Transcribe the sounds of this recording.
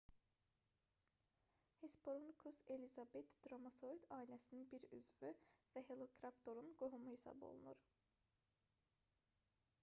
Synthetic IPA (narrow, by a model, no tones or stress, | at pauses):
hespoɾunkʰuselʲizabet̪d̪̥ɾomasoɾit̪ʰaːilʲesininbiɾy̰zvyvɛɦelˠokɾapt̪ʰo̞ɾunɡoɦumuhesa̰bo̞̰lˠṵnuɾ̥